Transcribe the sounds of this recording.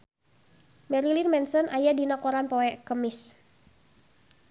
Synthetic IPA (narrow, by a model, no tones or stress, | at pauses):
mɛɾilinmɛnsɔnʔajadinakɔɾanpɔɛʔkəmɪs